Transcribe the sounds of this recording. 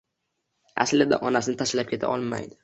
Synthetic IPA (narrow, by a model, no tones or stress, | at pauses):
a̰slɪd̪a̰ʔɒnasɪnɪt̪ʰaʃlap̚kʲe̞t̪ʰa̰ʔɒlˠma̰jd̪ɪ